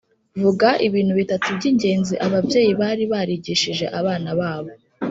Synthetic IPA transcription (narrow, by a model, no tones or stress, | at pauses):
vuɡaʔiβiːn̥huβitatubɟiɲɟe̞ːnziʔaβavje̞ːjiβaːɾiβaɾiɟiʃiʒe̞̰ʔaβaːnaβaːβo̞